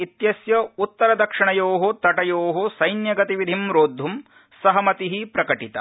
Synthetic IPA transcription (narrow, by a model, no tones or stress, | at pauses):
it̪jɐsjɐut̪ːɐɾɐd̪ɐkʂiɳɐjoːɦot̪ɐʈɐjoːɦosɐjnjɐɡɐt̪iʋid̪ʱimɾoːd̪ʱːum | sɐɦɐmɐt̪iɦipɾɐkɐʈit̪ɐ̰